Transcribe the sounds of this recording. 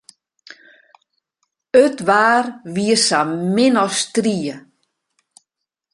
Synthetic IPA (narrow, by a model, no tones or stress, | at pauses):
øtʋaːrʋiəsamɪnɔstriə